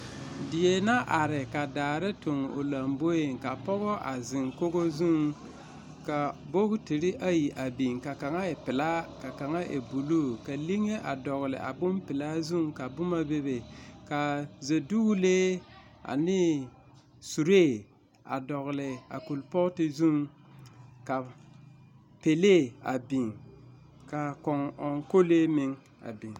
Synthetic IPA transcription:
dɪ˨je˨na˦ʔa˨ɾɪ˨ka˨daː˨ɾe˦tʊ˨ŋ˨o̰˨la˨mbo˦e˨ŋka˨pɔ˦ɣɔ˦ʔa̰˨zɪ˨ŋko˦ɡo˦zu˦˨ŋ | ka˨bo˦ɡti˨ɾi˦ʔa˦ji˨ʔa˨bi˨ŋka˨ka˨ŋa˦e˨pɪ˨la˦ka˨ka˨ŋa˦ʔḛ˨bu˨lu˦ka˨li˦ŋe˦ʔa̰˨dɔ˨ɣlɪ̰˨ʔa̰˨bʊ˦mpɪ˨la˦zu˦ŋka˨bʊ˦ma˦be˦be˨ka˨ze˨du˦u˦leː˦ | a̰˨nɪ˦ | su˨ɾe˦˨ | a̰˨dɔ˨ɣlɪ˨a̰˨ku˨lpɔ˦tɪ˨zu˦m | ka˨ | pe˨le˦˨a˨bi˨ŋ | ka˨kɔ˨ŋɔ˨ŋko˦le˦mɪ˦ŋ | a̰˨bi˨ŋ

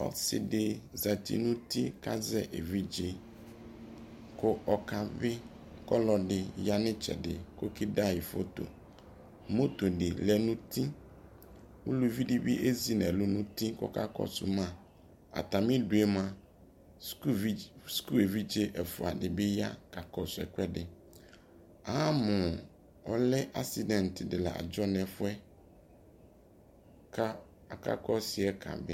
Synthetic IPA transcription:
ɔ̰˨sɪ̰˨dɪ˦za˨t̪ḭ˦nũ˦t̪i˦ka̰˦zɛ˦ʔḛ˨vi˦d͡ʒe˦ | kʊ˦ɔ˨ka˨bɪ˦ | kɔ˦lɔ˨dɪ˨ja˦nɪ̃˦t͡ʃɛ̰˨dɪ̰˨ko˦ki˦da˦jɪ˨fo̰˦t̪o̰˨ | mo˦t̪o˨dɪ˨lɛ˨nũ˦t̪i˦ | wu˦lu˦vi˦di˦bi˦ʔe˦zi˦nɛ˨lʊ˦nũ˦t̪ĩ˦kɔ̰˦ka̰˦kɔ̰˦sʊ̰˨mã˨ | a̰˨ta˨mĩ˦du˨e˦m˨ã˨ | sku˦e˨vi˦d͡ʒe˦ʔɛ˨fʊ̰˨a˨dɪ˨bɪ˦ja̰˦ka˨kɔ˨sʊ˨ɛ̰˨kʷɛ˦dɪ˨ | a˨˦a˦mʊ̃˨ | ɔ̰˨lɪ˦ʔa˦si˨dɛ̃˨ntɪ˨dɪ˨la̰˨ʔa̰˨d͡ʒɔ˦nɛ˨fʊ˦ɛ˦ | kʰa˦ | a˨ka̰˦kɔ˦sɪ˨ɛ˦kʰa̰˨bɪ˦

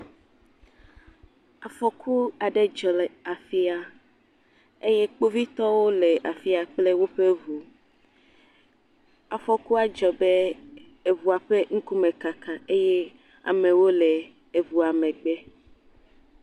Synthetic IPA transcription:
a˨fɔ˨kʰu˦a˨ɖe˦d͡ʒɔ˨lɛ˨a˨fi˦a˨ | e˦je˦k͡po˦vi˦t̪ɔ˦wo˦le˨ʔa˨fi˦a˨k͡ple˦wo˦ɸe˦vu˨ | a˨fɔ˨ku˦a˦d͡ʒɔ˨be˦ | e˨vu˨a˨ɸe˦ŋ̩˦ku˦mẽ˨ka˨kã˨e˦je˦ | a̰˨mẽ˨wo˦lɛ˨ | e˨vu˨a˨mẽ˨ɡ͡be˦

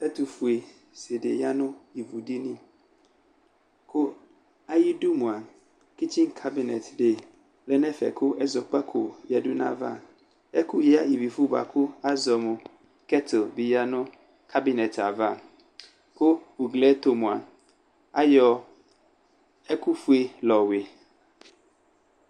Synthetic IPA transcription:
ɛ˦tu˨fu˨e˨ | se˨dḛ˨ja˦nʊ̃˦i˨vu˨di˦nĩ˦ | kʰʊ˦ | a˦ji˦du˦mũ˨a˨ | ki˦t͡ɕʰĩ˦ŋkʰa˦bi˨nɛ˨tde˨ | lɛ˦nɛ̃˦fɛ̰˨kʰʊ˦ɛ˦zɔ˨k͡pa˦kʰʊ˨ja˨du˦nã̰˦va̰˦˨ | ɛ˦kʰʊ˦jɪ˦a˦i˨bi˨fu˦ba̰˨kʰʊ˦a˦zɔ˨mʊ̃˨ | kɛ˦tʰo˨bi˨ja˦nʊ̃˦ | kʰa˦bɪ˨nɛ˨tʰa˨va˦˨ | kʰʊ˦u˨ɡlɛ˦tʰo˨mũ˨a̰˨ | a˦jɔ˨ | ɛ˦kʊ˦fu˦e˦lɔ˨wɪ˨

